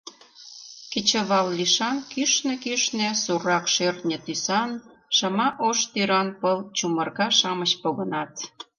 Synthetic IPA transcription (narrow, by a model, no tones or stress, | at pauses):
ket͡ɕəβɑlːiʃɑnkyʃnĕkyʃnĕsurɑkʃørt̪nʲĕt̪ysɑn | ʃɑmɑʔoʃt̪yɾɑnpəlt͡ɕumərkɑʃɑmət͡ɕpoɣənɑt̪